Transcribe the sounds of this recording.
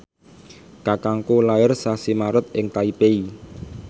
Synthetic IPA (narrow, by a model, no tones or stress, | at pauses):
kakaŋkulaɪrsasimaɾʊt̪̚ɪŋt̪aipei